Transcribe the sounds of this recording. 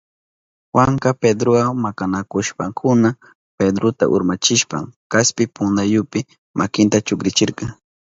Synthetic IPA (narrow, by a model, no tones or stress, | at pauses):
waŋkaped̪ɾowamakanakʊʃpaŋkʰʊna | ped̪ɾot̪a̰ʔʊ̰ɾmat͡ʃɪʃpa̰ŋkaspɪpʊnd̪ajʊpɪ | mʔakɪnt̪at͡ʃʊkɾɪt͡ʃɪɾkɑŋ